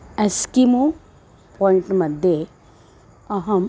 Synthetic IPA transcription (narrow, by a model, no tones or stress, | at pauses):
ɐskimu | pɔːiɳʈmɐd̪ʱje | ɐɦɐm